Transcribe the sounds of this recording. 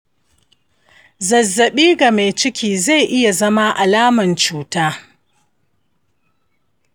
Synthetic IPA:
zɐ˨zːɐ˨ɓiː˦ɡa˨me˨jt͡ʃɪ˦kʲiː˨za˦˨jʔɪ˦ja˨zɐ˦ma˦ʔa˨laː˦mɐ˨nt͡ʃuː˦taː˦

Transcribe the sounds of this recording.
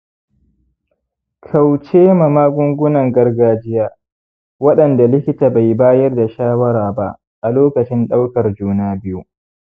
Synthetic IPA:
kʰa˨wt͡ʃeː˦ma˨maː˦ɡʷʊ˦ŋɡʷʊ˦nɐ˨ŋɡɐ˦rɡaː˦d͡ʒɪ˦jaː˦ | wɐ˦ɗɐ˨nda˨lɪ˦kʲɪ˦taː˨ba˨jbaː˦jɐ˦rda˨ʃaː˦wɐ˦ɾaː˨ba̰˦ʔ | ʔa˨loː˦kɐ˨t͡ʃɪ˦nɗa˦wkɐ˨rd͡ʒuː˦naː˦bɪ˦ju˦

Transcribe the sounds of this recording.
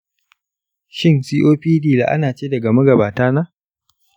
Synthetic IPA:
ʃɪ˦nsiː˦ʔoː˦ɸiː˦diː˦˨la̰ː˨ʔa̰˦naː˨t͡ʃeː˦dɐ˨ɡa˨mɐ˦ɡɐ˨baː˨taː˦naː˦

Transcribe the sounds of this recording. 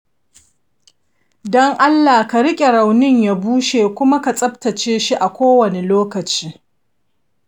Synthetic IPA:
dɔ˦ŋʔa˦lːaː˨ka˨ɾɪ˦kʲʼe˨ɾa˨wnɪ˦ɲja˨buː˦ʃeː˨kʷʊ˦ma˦ka˨t͡sʼɐ˦btɐ˨t͡ʃeː˦ʃi˦ʔa˨kʷoː˦wɐ˨ne˨loː˦kɐ˨t͡ʃiː˦

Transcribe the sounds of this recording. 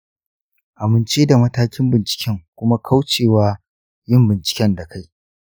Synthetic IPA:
ʔa˨mɪ˨nt͡ʃeː˦da˨mɐ˦taː˦kʲɪ˦mbɪ˨nt͡ʃɪ̥˨kʲɛ˦ŋkʷʊ˦ma˦kʰa˦wt͡ʃeː˨waː˦ | jɪ˦˨mbɪ˨nt͡ʃɪ̥˨kʲɛ˦nda˨kʰa˦j

